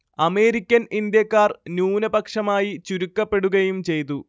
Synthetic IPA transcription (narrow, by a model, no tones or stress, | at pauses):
ɐme̞ːɾikʲːɐnind̪jɐkːaːrnjuːnɐbɐkʂɐmaːjit͡ɕuɾukːɐpːe̞ɽuɣɐjumt͡ɕe̞jt̪̬u